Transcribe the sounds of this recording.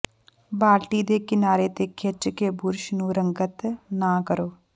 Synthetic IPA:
baːʈiːd̪eːkɪnaːɾeːt̪eːkʰɪt͡ʃkeːbʊɾʃnũːɾəŋɡət̪nãːkəɾoː

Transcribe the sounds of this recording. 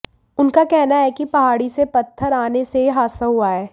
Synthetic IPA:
ʊnkakɛɦnaɦɛkipɐɦaːɽisepɐt̪ʰːəɾaːneseɦaːsəɦʊaɦɛː

